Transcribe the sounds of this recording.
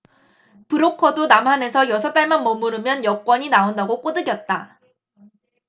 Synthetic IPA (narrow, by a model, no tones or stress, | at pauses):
pɯɾokʰʌdonamɦane̞sʰʌjʌsʰʌt͈aɭmanmʌmːuɾɯmjʌnjʌk͈wʌɲinaondaɡok͈odɯɡjʌt̚t͈a